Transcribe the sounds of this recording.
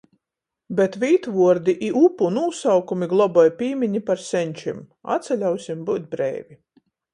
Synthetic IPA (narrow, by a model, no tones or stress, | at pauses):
bɛt̪vʲiːt̪vuɔɾd̪iʔiʔupunuːsawkumiɡlˠɔbɔjpʲiːmʲiɲipaɾsʲɛɲʲt͡ʃim | a̰t̪sʲɛlʲawsʲimbuːt̪̚bɾɛ̰ːvʲi